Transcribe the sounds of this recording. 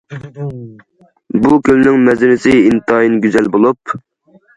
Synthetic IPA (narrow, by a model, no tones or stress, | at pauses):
bukʲʰølnɪŋmɛzɪnɪsɪint̪ʰɑjinɡʲyzɛlbolˠup